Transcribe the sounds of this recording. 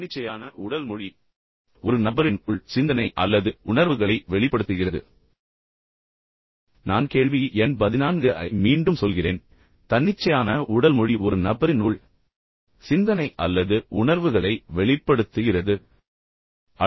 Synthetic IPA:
ɪt͡ʃːɐjaːnɐʊɽɐlmʊɻi | ɔɾɯnɐbɐɾɪnːɭsɪnd̪ɐnɐɪʔɐlːɐðɯʊɳɐɾʋɯɣɐɭɐɪʋɛɭɪpːɐɽɯt̪ːɯɣɪrɐðɯ̰ | naːnkeːɻʋiʔɛnpɐðɪnaːnɡɯʔɐ̰ɪmiːɳɖɯmsɔlɣɪrḛːn | t̪ɐnːɪt͡ʃːɐjaːnɐʔʊɽɐlmɔɻiʔɔɾɯnɐbɐɾɪnuːɭ | sɪnd̪ɐnɐɪʔɐ̰lːɐðɯʊɳɐɾʋɯɣɐɭɐɪʋɛɭɪpːɐɽɯt̪ːɯɣɪrɐðɯ | ɐ

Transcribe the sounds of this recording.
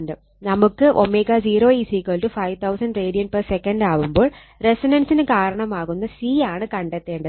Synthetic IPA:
nɖɨ | nɐmukːɨʔo̞̰mːeːɣad͡ʑiːɾo̞ːiːsiːkːɐɭʈːɨfɐjʋt̪ʰɐwsɐnɖreːɽijɐnpɐrsekːɐɳɖaːʋumbo̞ːɭ | resinɐnsinɨkaːɾɐɳɐmaːɣunːɐsiːaːɳɨkɐɳɖet̪ːe̞ːɳɖɐ

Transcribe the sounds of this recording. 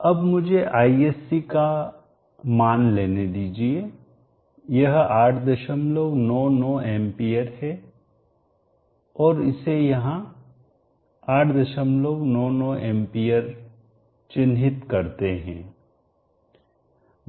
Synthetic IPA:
ɐbmʊd͡ʒʱeʔaːieːsika | maːnleːned̪iːd͡ʒie | jɐɦaːʈʰd̪ɐʃəmlownɔːnɔːeːmpijəɾhɛ | ɔːɾɪ̰sejɐɦã | aːʈʰd̪ɐʃəmloʋnɔːnɔːẽːmpijəɾ | t͡ʃɪnɦɪt̪kɐɾt̪eɦɛ̰̃ː

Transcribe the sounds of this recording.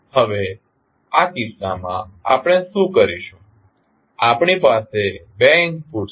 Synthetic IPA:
həʋe | akɪsa̰mã̰a̰pɽ̃eʃũkəɾiʃũ | apɳ̃ipasebɛŋkfuɾ

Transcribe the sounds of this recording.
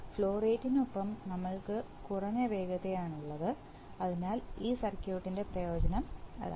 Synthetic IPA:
fɭo̞ːreːtːinupːɐmnɐmːɐɭkɨkurɐɲːɐʋe̞ːɡɐðejaːɳuɭːɐðɨ | ɐðinaːliːsɐrkʲjoːʈːinde̞prɐjo̞ːd͡ʑɐnɐmɐ̰ɾa̰

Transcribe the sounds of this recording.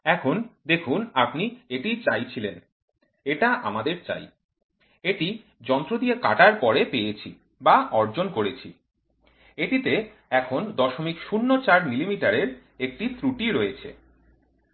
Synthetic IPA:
ɛkʰond̪ekʰunapnieʈit͡ɕajt͡ɕʰilen | eʈaʔa̰mad̪eɾt͡ɕa̰j | eʈi | d͡ʑɔnt̪ɾod̪ieka̰ʈaɾpɔɾepejet͡ɕʰi | baɔɾd͡ʑonkoɾet͡ɕʰḭ | eʈit̪e | ɛkʰond̪ɔʃomikʃunːot͡ɕaɾmilimiʈaɾeɾ | ek̚ʈit̪ɾuʈiɾojet͡ɕʰḛ

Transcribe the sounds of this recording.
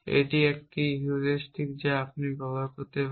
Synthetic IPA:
ḛʈiek̚ʈiɦuɾeʃʈʰik̚d͡ʑaap̚niɡɔlakot̪e

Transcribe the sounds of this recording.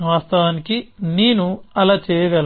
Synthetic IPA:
ʋaːst̪ɐʋaːnikineːnuɐlaːt͡ʃɛːjɐɡɐl

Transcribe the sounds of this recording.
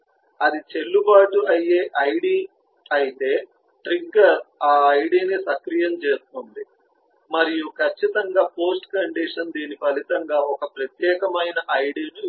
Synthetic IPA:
ɐd̪it͡ʃe̞lːubaːʈuɐjːeːʔɐjɽiː | ɐjit̪e̞ː | ʈɾiɡɐɾaːɐjɖiːnisɐkɾijɐmt͡ʃeːst̪ond̪i | mɐɾijukʰɐt͡ʃːit̪ɐŋɡaːpo̞ːsʈkɐɳɖiʂɐnd̪iːnipɐlit̪ɐŋɡaːɔkɐpɾɐt̪jɛːkɐmɐjnɐʔɐjɖiːnu

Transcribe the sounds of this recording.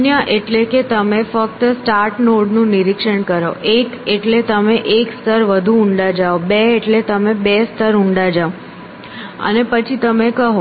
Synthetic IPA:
njaʔeʈleket̪əmefək̚t̪əsʈaɾʈnoɽnũniɾikʂəɳkəɾo̰ʔekeʈlet̪əmeʔekst̪əɾʋəd̪ʱuʊɳɖad͡ʒaobeːʈlet̪əmebest̪əɾũɳɖad͡ʒao | ə̰nepət͡ʃʰit̪əmekəɦo

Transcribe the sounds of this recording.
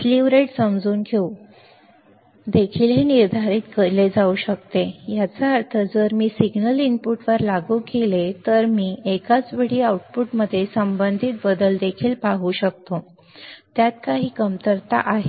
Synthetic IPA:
fliʋɾeʈsəmd͡zuːnɡʱeu | d̪ekʰiːlɦeniɾd̪ʱaɾiːt̪kəɾled͡zauɕək̚t̪ejat͡saəɾt̪ʰəd͡zəɾmiːsiɡnəlinpuʈʋəɾlaɡuːkelet̪əɾmiːekat͡sʋeɽ̤iːauʈ̚puʈməd̪ʱːjesəmbənd̪ʱit̪̚bəd̪əld̪ekʰiːlpaɦuːɕək̚t̪o | t̪jat̪kaɦiːkəmt̪əɾt̪a̰ʔaɦe

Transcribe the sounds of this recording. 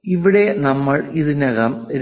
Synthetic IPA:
iʋiɽe̞nɐmːɐɭiðinɐɣɐmɾ

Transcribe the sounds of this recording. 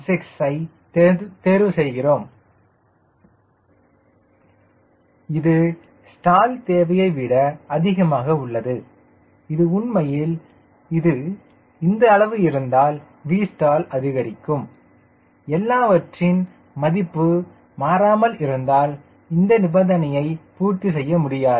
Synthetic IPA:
sɪksɐɪ | t̪eːɾʋɯsɛjɣɪroːm | ɪðɯ | sʈaːlt̪eːʋɐjɐɪʋɪɽɐɐðɪɣɐmaːɣɐʊɭːɐðɯ | ɪðɯʊɳmɐjɪl | ɪðɯ | ɪnd̪ɐːɭɐʋɯɪɾɯnd̪aːl | ʋiːsʈaːlɐðɪɣɐɾɪkːɯm | ɛlːaːʋɐʈrɪn | mɐðɪpːɯ | maːɾaːmɐlʔɪɾɯnd̪aːl | ɪnd̪ɐnɪbɐnd̪ɐnɐjɐɪpuːrt̪isɛjːɐmʊɽɪjaːɾ

